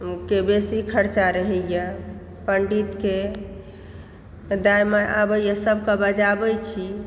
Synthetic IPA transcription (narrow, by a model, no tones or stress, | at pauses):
kebesikʰəɾt͡ʃaɾəɦɛjə | pəɳɖit̪ke | d̪ajmeʔabəjəsəbʱkəbəd͡ʒabəjt͡ʃʰi